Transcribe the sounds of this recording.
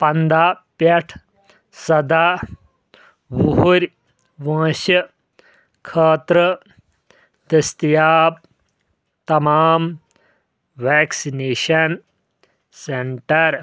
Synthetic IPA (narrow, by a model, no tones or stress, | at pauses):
pɐnd̪aːpjɐʈʰ | sɐd̪aː | ʋuɦuɾʲ | ʋãːʃjɐ | kʰɐːt̪ɾə | d̪ɐst̪jaːp̚ | t̪ɐmaːm | ʋɛːksineːʃɐn | seɳʈɐɾ